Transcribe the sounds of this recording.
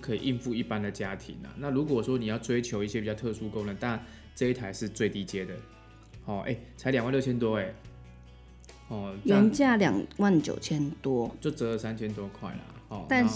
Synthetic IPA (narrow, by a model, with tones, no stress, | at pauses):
kʰɤ˧˥i˨˩ʔi˥˧nfu˥˧i˥˩pa˦nd̪ə˨t͡ɕja˦t̪ʰḭ˨˦nla̰˨˩na˥˨lu˨˥k̬wɔ˨˩ʂwɔ˦˥ni˨jɑ˥˩ʊt͡swe˥ɪt͡ɕʰjo˧˦ʊi˥˩ɕjɛ˦pi˨˩t͡ɕɑ˥˧ʊt̪ʰɤ˥˧˩su˦ko˥˦ŋlə˨˧nt̪a˥˩n | ʈ͡ʂɤ˥˧i˥t̪ʰa˧˦ɪʂɻ̩˥˧t͡swe˥˩ɪt̪i˥˩t͡ɕjɛ˦˥d̪ə˨ | hɔ˥˩ʔḛ˥˩ɪt͡sʰa˧˦ɪljŋwa˥˧ljo˥˩ʊt͡ɕʰɛ˦˥nt̪wɔ˥e˨˩ | hɔ˥˩jɛ˨˥˦nt͡ɕja˥˩ljɑ̰˨˩ŋwa˥˨nt͡ɕjo̰˨˩ʊt͡ɕʰjɛ˦˥nt̪wɔ˦˥t͡ɕjo˥˩ʊt͡sɤ˧˥lə˨sa˦nt͡ɕʰjɛ˥nt̪wɔ˥kʰwa̰˥˩ɪla̰˩hɔ˥˨˩t̪a˥˧n